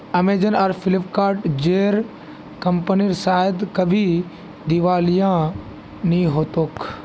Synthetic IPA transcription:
ɐmeːd͡ʒənɐɾfʰɪlɪpkaːɾʈd͡ʒeːɾ | kɐmpəniɾsaːɪd̪kɐbʱi | d̪ɪʋaːlijã | nĩɦoːt̪oːk

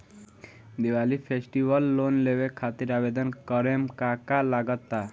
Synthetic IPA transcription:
d̪iwalipʰesʈibəlːonlewekʰat̪iɾabed̪ɔnkɔɾemkakalaɡɔt̪ːa

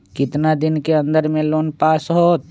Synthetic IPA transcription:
kɪt̪nad̪ɪnkeə̃nd̪əɾmẽloːnpaːsɦoːt̪̚

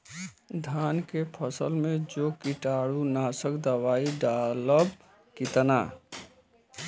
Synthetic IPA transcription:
d̪ʱaːnkepʰəsəlmẽd͡ʒoːkiʈaːɽunaːsəkd̪əwaːiɖaləb | kit̪əna

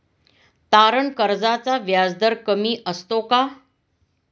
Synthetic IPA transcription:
t̪aɾəɳkəɾd͡zat͡saʋjad͡zd̪əɾkəmiːʔəst̪oka

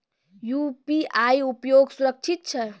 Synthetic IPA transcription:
jupiajupjoɡsuɾək̚t͡ʃʰit̪̚t͡ʃʰə

